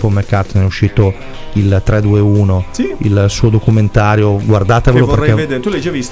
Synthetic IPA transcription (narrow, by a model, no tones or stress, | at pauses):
pomekːart̪onɛuʃːiːt̪o | ilt̪ɾɛd̪uːeuːnoiilsuːod̪okument̪aːɾjoɡward̪aːt̪eveloperkːɛt̪uled͡ʒevis